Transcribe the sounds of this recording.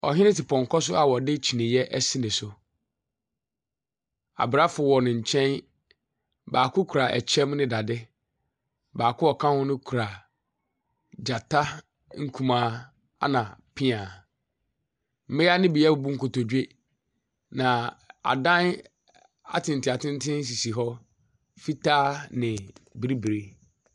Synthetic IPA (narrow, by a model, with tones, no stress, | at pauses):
ɔ˨ɦɪ̃˦nɪ̃˦tɪ˨pʰɔ̃˨ŋ˨kʰɔ˦s̬ʊ˦a˨wɔ˨dɪ˦t͡ɕʰi˨nɪ̃˨jɛ˦ʔɛ˦sĩ˦nɪ̃˨sʊ˨ | a̰˨bɾa˦fʊ˨wɔ˨nɪ̃˨ɲ̩˨t͡ɕʰɛ̃˦n | baː˨kʰʊ˦kʰu˨ɾa˨ʔɛ̰˨t͡ɕʰɛ̃˦mnɪ̃˦da˨dɪ˦ | baː˨kʊ˦ɔ˨kʰã˦hʊ̃˦nɪ̃˦kʰu˨ɾa˨ | d͡ʑa˨tʰa˦ | ŋ̩˦kʰũ˨mãː˨˦ | a̰˦nã˨pʰɪ̃˦ã˨ | m̩˨mɪ˦a˦nɪ̃˦bi˨jɛ˦bʊ˨bu˦ŋ̩˦kʊ˨tɔ˨dɥe˦ | nã˨a̰˨dã˦n | a̰˦tʰɪ̃˨n˨tɪ˨a˨tʰɪ̃˦n˦tʰɪ̃˦n˦s̬i˨si˨ɦɔ˦ | fi˦tʰaː˦nɪ̃˨bi˦ɾi˦bi˨ɾe˦